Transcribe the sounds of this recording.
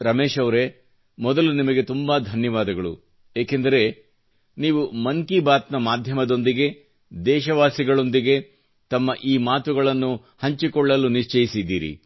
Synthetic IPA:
ɾɐmeːʃɐʋɾe̞ | mɔd̪ɐlunimɐɡe̞t̪umbɐd̪ʱɐnjɐʋaːd̪ɐɡɐɭṵ | jeːkend̪ɐɾe̞ | niːʋumɐŋkibaːt̪nɐmaːd̪ʱjɐmɐd̪o̞nd̪iɡe̞ | d̪ɛːʃɐʋaːsiɡɐɭo̞nd̪iɡe̞ | t̪ɐmːɐʔiːmaːt̪uɡɐɭɐnːu | hɐɲt͡ʃikɔɭːɐlːuniʂt͡ʃɐjisid̪ːiːɾḭ

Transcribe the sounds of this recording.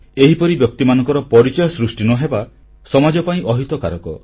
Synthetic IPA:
eɦipɔɾibjɔk̚t̪imanɔ̃ŋkɔɾɔpɔɾit͡ʃɔjɔsɾusʈinɔɦeba | sɔmad͡ʒɔpaĩʔɔɦit̪ɔkaɾɔkɔ

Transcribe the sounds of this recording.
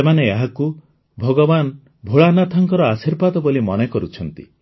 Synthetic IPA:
emaneeɦaku | bʱɔɡɔban | bʱoɭanat̪ʰɔŋkɔɾɔasiɾbat̪ɔbolimɔnekɔɾut͡ʃʰɔnt̪ḭ

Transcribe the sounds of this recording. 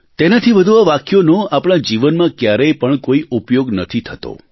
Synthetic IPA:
t̪enat̪ʰiʋəd̪ʱuaʋakjonõapɽ̃ad͡ʒiʋənmãkjaɾɛjpəɳkoiʔupjoɡnət̪ʰit̪ʰət̪o̰

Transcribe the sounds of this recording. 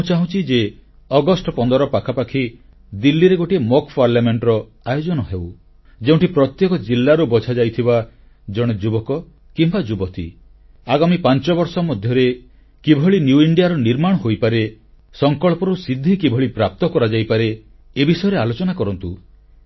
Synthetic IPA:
t͡ʃaɦũt͡ʃʰid͡ʒe | ɔɡɔsʈɔpɔnd̪ɔɾɔpakʰapakʰi | d̪ilːiɾeɡoʈiemɔkpaɾljameɳʈɔɾɔ | ajod͡ʒɔnɔɦew | d͡ʒeũɳʈipɾɔt̪jekɔd͡ʒilːaɾubɔt͡ʃʰad͡ʒajt̪ʰiba | d͡ʒɔɽ̃ed͡ʒubɔkɔ | kimbad͡ʒubɔt̪ḭ | aɡamipant͡ʃɔbɔɾsɔmɔd̪ʱjɔɾe | kibʱɔɭinjuiɳɖijaɾɔniɾmaɽ̃ɔɦojpaɾe | sɔŋkɔɭpɔɾusid̪ʱːikibʱɔɭipɾap̚t̪ɔkɔɾad͡ʒajpaɾe | ebisɔjɔɾealot͡ʃɔnakɔɾɔnt̪u

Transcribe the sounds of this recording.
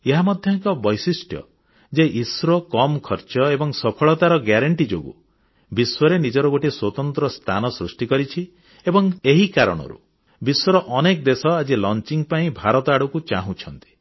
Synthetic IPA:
eɦamɔd̪ʱjɔŋkɔbɔjsisʈʰjɔ̰ | d͡ʒeʔisɾɔkɔmkʰɔɾt͡ʃɔebɔŋsɔpʰɔɭɔt̪aɾɔɡaɾaɳʈid͡ʒo̰ɡṵ | biswɔɾenid͡ʒɔɾɔɡoʈiswɔt̪ɔnt̪ɾɔst̪ʰanɔsɾusʈikɔɾit͡ʃʰi | ebɔŋeɦikaɾɔ̰ɽ̃ɔ̰ɾṵ | biswɔɾɔʔɔnekɔd̪esɔad͡ʒilɔnt͡ʃiŋpaĩbʱaɾɔt̪ɔaɽukut͡ʃaɦũt͡ʃʰɔnt̪i̥

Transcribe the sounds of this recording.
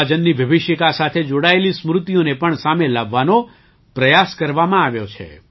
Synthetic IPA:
ad͡ʒənːiʋjəʋɪʃjəkasat̪ʰed͡ʒoɽaelismɾʊt̪ijonepəɳsamelaʋːano | pɾəjaskəɾʋamãaʋjot͡ʃʰḛ

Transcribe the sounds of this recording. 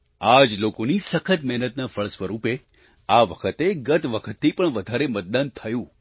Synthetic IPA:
ad͡ʒlokonisəkʰət̪mɛɦnət̪nafəɭəsʋəɾupe | aʋəkʰət̪eɡət̪ʋəkʰət̪ʰːipəɳʋəd̪ʱaɾemət̪̚d̪ant̪ʰəjũ

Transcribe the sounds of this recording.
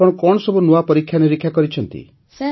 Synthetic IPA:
ɔɽ̃ɔkɔɳɔsɔbunuapɔɾikʰːjaniɾikʰːjakɔɾit͡ʃʰɔnt̪ḭ

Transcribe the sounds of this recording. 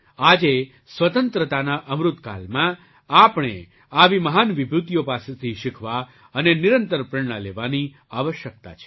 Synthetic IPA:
ad͡ʒe | sʋət̪ənt̪ɾət̪anaʔəmɾut̪ka̰lmã | apɽ̃e | aʋiməɦanʋibʱɾut̪jopaset̪ʰiʃɪkʰʋa | əneniɾənt̪əɾpɾəɳɳ̃aleʋani | aʋəʃjək̚t̪a̰t͡ʃʰe̥

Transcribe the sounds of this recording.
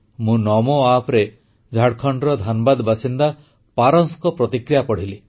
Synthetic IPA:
mũnɔmoapʰɾe | d͡ʒʱaɽkʰɔɳɖɾɔd̪ʱanɔbad̪basind̪a | paɾɔnskɔpɾɔt̪ikɾijapɔɽ̤ili

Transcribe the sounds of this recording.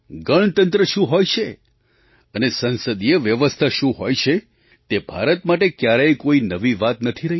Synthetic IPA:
ɡəɳ̃t̪ə̃nt̪ɾəʃũɦojt͡ʃʰe | ənesənsəd̪ieʋjəʋəst̪ʰaʃũɦojt͡ʃʰe | t̪ebʱa̰ɾət̪maʈekjaɾejkoinəʋiʋat̪nət̪ʰiɾəɦi

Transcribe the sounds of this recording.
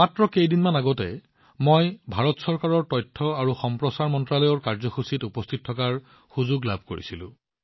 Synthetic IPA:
matɹɔkejdinmanaɡɔtɛ̰ | mojbʱaɹɔtsɔɹkaɹɔɹtɔjtʰːɔaɹuxɔmpɹɔsaɹmɔntɹalɔjɔɹkaɹzɔxusitupɔstʰit̚ʰːɔkaɹ | xuzuɡlabʱko̰ɹḭsilʊ̰̃

